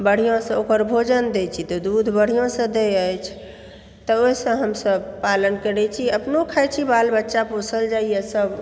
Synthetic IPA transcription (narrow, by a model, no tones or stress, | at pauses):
bəɽ̤ijõsə̃okəɾbʱod͡ʒənd̪ɛt͡ʃʰit̪ɔd̪ud̪ʱbəɽ̤ijõsə̃d̪eəjt͡ʃʰ | t̪ɔosə̃ɦəmsəbpalənkəɾɛt͡ʃʰiəpnokʰajt͡ʃʰibalbətːʃapusəld͡ʒaijesəb